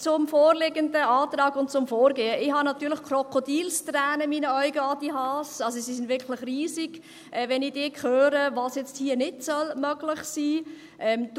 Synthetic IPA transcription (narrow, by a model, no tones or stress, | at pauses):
t͡sʊmfoːrlɪɡəndəɑːtɾɑːɡʊnt̚t͡sʊmfoːɾɡeːəɪhɑnɑt̪yːləxkrɔkʰodiːlstrɛːnəmiːnəœʏɡəɑdiɦɑːsɑls̬osisɪndvɪkʰlɪχriːziɡ̥ | ʔɛːvɛnɪd̥ɪːkχøːɾəvɑːsjɛt͡sthiːənɪdsœlmœɡlɪχsiː | ʔɛmd